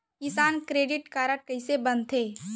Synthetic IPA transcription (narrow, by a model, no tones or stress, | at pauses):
kɪsaːnkɾeːɖɪʈkaːɾəʈ̚kɐɪsebɐnt̪ʰeː